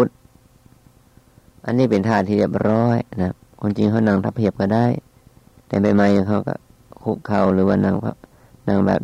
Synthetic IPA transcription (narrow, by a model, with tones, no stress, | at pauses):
u˧t̪̚ | ʔa˧˨nːiː˥˩pe˨nt̪ʰaː˧˩t̪ʰːiː˧˨bi˧˩əp̚ɾɔː˧˥˩jna˧ | kʰo˧˥˨nt͡ɕi˧ŋkʰa˧˥˩wna˧˩˨ŋt̪ʰa˧˥pʰːi˧˩əp̚ka˧˩daː˥˩˨j | t̪ɛː˧˩ma˧˩jma˧˩jɲa˧˩ŋkʰa˧˩wka̰˧˩ | kʰu˧˩kʰːa˧˩wlɯː˨˦waː˧˩na˧˩˨ŋpʰa̰˧˩ | na˧˩˨ŋbɛ̰ː˨˩p̚